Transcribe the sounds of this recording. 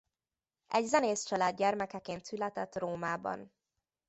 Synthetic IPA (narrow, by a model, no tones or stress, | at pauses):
ɛɟzɛneːst͡ʃɒlaːd̪̚ɟɛrmɛkɛkeːnt̪sylɛt̪ɛt̪roːmaːbɒ̰n